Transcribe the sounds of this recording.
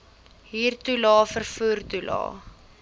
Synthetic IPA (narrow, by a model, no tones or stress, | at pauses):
ɦiːrtulɑːfərfuərtulɑ̰ː